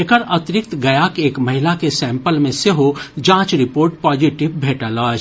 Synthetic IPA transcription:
ekəɾət̪ɾɪk̚t̪ɡɐjaːkeːkmɐɦɪlakesɛ̃ːmpəlmẽseɦod͡ʒãːt͡ʃɾɪpoːɾʈpaːd͡ʒiʈɪʋbʱeːʈalaːd͡ʒ

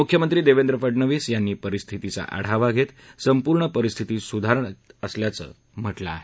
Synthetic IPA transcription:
mukʰjəmənt̪ɾiːd̪eʋend̪ɾəpəɖɳəʋiːsjanːiːpəɾist̪ʰit̪it͡sa̰ʔa̰ɽ̤aʋaɡʱet̪səmpuɾɳəpəɾist̪ʰit̪iːsud̪ʱaɾəɳəsljat͡sə̰ː | m̤əʈlaːɦe

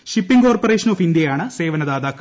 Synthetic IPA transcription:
ɕipːiŋkoːrporeːʂɐnoːfind̪jɐjaːɳɨse̞ːʋɐnɐd̪aːd̪aːkːɐ

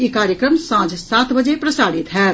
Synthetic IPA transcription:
jekaːɾjəkɾəmsãd͡ʒsaːt̪bəd͡ʒepɾəsaːɽit̪ɦɛː

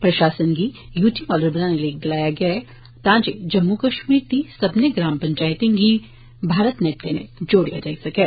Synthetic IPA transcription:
pɾɐʃaːsənɡi | juːʈimɔːləɾbənaneleːk̚d̪ɪlaːjaɡɐa | t̪ãːt͡ʃed͡ʒɐmːukɐʃmiːɾt̪isɐbneɡɾaːmpɐ̃ɲt͡ʃaːɪt̪ẽŋɡi | bʱaːɾət̪nɛːʈkenḛ̃d͡ʒoːɽḭja̰d͡ʒaːisɐkeː

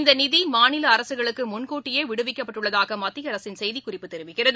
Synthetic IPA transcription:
ɪnd̪ɐnɪðimaːnɪlɐːɾɐsɯɣɐɭɯkːɯmʊnkuːʈːɪjeːʋɪɽɯʋɪkːɐpːɐʈːɯɭːɐðaːɣɐmɐt̪ːijɐɾɐsɪnsɛjðikʊrɪpːɯt̪ːɛɾɪʋɯɣɪrɐðɯ

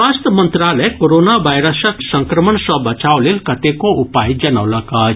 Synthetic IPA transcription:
ast̪mə̃nt̪ɾalekoɾoːnaʋajɾəsəksɐ̃ŋkɾəməɳsɔbɐt͡ʃaːwlelkɐt̪ekoupaːjd͡ʒɐnawlɐka

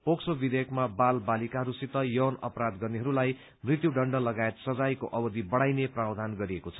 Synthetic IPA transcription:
poksobid̪ʱekmabalbalikaɦʌɾusit̪ʌjʌwnʌ̰pɾad̪ɡʌrneɦʌɾulaj | mrit̪juɖʌɳɖʌlʌɡaet̪sʌd͡zajkoʔʌbʌd̪ʱibʌɽajneprawd̪ʱanɡʌɾiekot͡sʰʌ̥

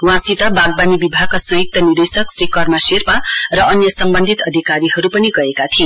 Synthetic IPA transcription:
wɦãsit̪ʌbaɡ̚banibibʱaɡ̚kasʌjuk̚t̪ʌnird̪esʌksrikʌrmaserparʌʌnjʌsʌmbʌnd̪ʱit̪ʌd̪ʱikaɾiɦʌɾupʌniɡʌekat̪ʰie

